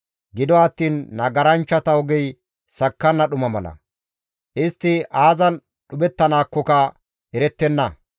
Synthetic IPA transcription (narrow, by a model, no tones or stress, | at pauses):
ɡɪd̪ɔɐt̪ːiːnːɐɡɐɾɐnt͡ʃːɐt̪ɐɔɡɛj | sɐkːɐnːɐɗʊmɐmɐlɐ̰ | ʔɪst̪ːɪʔaːzɐn | ɗʊbɛt̪ːɐnaːkːɔkɐ | ɛɾɛt̪ːɛnːɐ